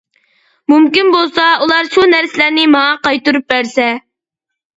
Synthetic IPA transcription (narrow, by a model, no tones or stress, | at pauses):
mumkʲinbolˠsɑulˠɑɾʃunæɾsɪlæɾnɪmɑŋɑqɑjt̪uɾup̚bæɾsɛ